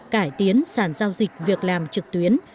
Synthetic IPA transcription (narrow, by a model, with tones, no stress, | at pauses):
kaː˧˩jt̪i˨˦ənsaː˧˩nzaː˧wzï˨˩k̚vi˨˩ək̚laː˨˩mt͡ɕɨ˨˩k̚t̪wi˨˦ən